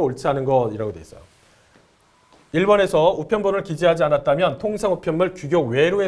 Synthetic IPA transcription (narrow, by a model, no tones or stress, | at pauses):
ooɭt͡ɕʰiɦanɯnɡʌdiɾaɡodees͈ʌjo | iɭbone̞sʰʌupʰjʌnbuɾɯɭkid͡ʑiɦad͡ʑianat̚t͈amjʌntʰoŋsʰaŋupʰjʌnmɯɭt͡ɕuɡjowe̞ɾoɦe